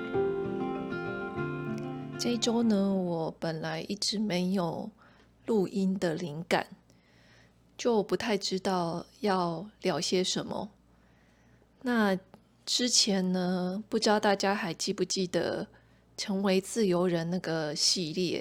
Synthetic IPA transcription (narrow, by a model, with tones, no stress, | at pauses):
t͡se˥˩ʈ͡ʂo˥ʊnə˧wɔ˨˩˦pə˨˩nla˧˦˥ɪʔi˥˩ʈ͡ʂɻ̩˧˥me˧˥ɪjo˨˩ʊ | lu˥˩ʔi˥nd̪ə˨li˧˥ŋka̰˨˩˦n | t͡ɕjo˥˩ʊpu˧˥t̪ʰa˥˩ɪʈ͡ʂɻ̩˥t̪ɑ˥˧ʊjɑ˥˩ʊljɑ˨˥ʊɕjɛ˥ʂə˧˥nmə̰˧ | na˥˩ | ʈ͡ʂɻ̩˥t͡ɕʰjɛ˧˥nnə˧pu˥˩ʈ͡ʂɻ̩˥t̪ɑ˥˧ʊt̪a˥˩t͡ɕja˥xa˧˥ɪt͡ɕi˥˧pu˥˩t͡ɕi˥˩d̪ə̰˩ | ʈ͡ʂʰɤ˧˥ŋwe˧˥ɪt͡sɹ̩˥˩jo˧˥ʊɻə˧˥nna˥˩ɡə˩ɕi˥˧ljɛ̰˥˩˨